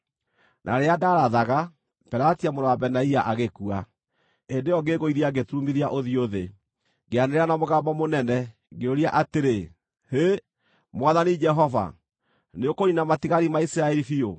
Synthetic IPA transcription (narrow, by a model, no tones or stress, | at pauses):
nʔa̰ɾeadaɾaðaɣa | pɛɾatiamoɾowabɛnaiaʔaɣekua | endejɔɡeɣoiðiaɡetumiɾiaʔoðioðe | ɡeaneɾeɾanamoɣabamonɛnɛ | ɡeoɾiaʔateɾe | he | mwaðanid͡ʒɛɦɔva̰ | neokoɲinamatiɣaɾimaisiɾaɛɾifio